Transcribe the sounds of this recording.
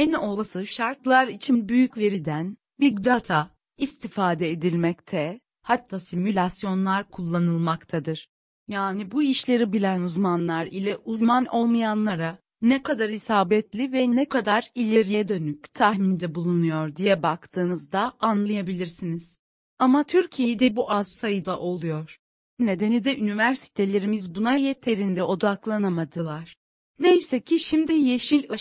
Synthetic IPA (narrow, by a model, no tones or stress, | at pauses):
ɛno̞lˠasɯʃaɾklˠaɾit͡ʃʰinbyjycve̞ɾid̪æn | biɡd̪at̪ʰa | ist̪ʰifaːd̪ɛed̪ilʲmɛct̪ʰɛ | hat̪ʰːaːsimylʲasjo̞nlˠaɾkʰulˠːanɯlˠmakt̪ʰad̪ɯɾ̥ | jaːnibuiʃlʲe̞ɾibilʲænuzmanlˠaɾilʲɛʔuzmanʔo̞lˠmajanlˠaɾa | nɛkʰad̪aɾhisaːbɛt̪lʲivɛnɛkʰad̪aɾilʲeɾijɛd̪ø̞nyct̪ʰahmind̪ɛbulˠunujo̞ɾd̪ijɛbakt̪ʰɯːnɯzd̪aanlˠajabilʲiɾsiniz̥ | amat̪ʰyɾcʰijejd̪ɛbuʔazsajɯd̪aʔo̞lˠujo̞ɾ̥ | ne̞d̪e̞nid̪ɛʔynivæɾsi̥t̪ʰe̞lʲe̞ɾimizbunajɛt̪ʰe̞ɾind̪ɛo̞d̪aklˠanamad̪ɯlˠaɾ̥ | nejsɛcʰiʃimd̪ije̞ʃilʲa